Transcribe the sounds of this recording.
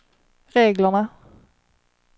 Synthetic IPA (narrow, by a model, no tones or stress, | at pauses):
ɾeːɡlaɳa